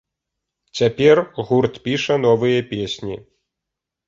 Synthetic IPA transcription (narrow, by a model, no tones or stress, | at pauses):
t͡sʲapʲɛrɣurt̪pʲiʂɐnɔvɨjɐpʲesʲnʲi